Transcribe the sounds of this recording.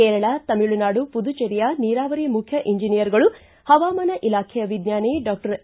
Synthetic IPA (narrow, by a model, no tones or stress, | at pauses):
eːɾɐɭɐt̪ɐmiɭːunaːɽupud̪ut͡ʃeɾijɐniːɾaːʋɐɾimukʰjɐʔiɲd͡ʒinijɐɾɡɐɭu | hɐʋaːmɐnɐʔilaːkʰɛjɐʋid̪njaːneɖaːk̚ʈɐɾ